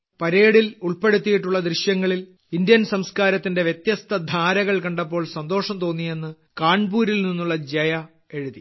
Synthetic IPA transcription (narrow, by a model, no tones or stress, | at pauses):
pɐɾe̞ːɽiluɭpe̞ɽut̪ːijiʈːuɭːɐd̪riɕjɐŋːɐɭil | indjɐnsɐmskaːɾɐt̪ːinde̞ʋjet̪jɐst̪ʰɐd̪ʱaːɾɐɣɐɭkɐɳɖɐpːo̞ːɭsɐnd̪o̞ːʂɐmt̪o̞ːnːije̞nːɨ | kaːɳbuːɾilninːuɭːɐd͡ʑɐjɐ | e̞ɻuði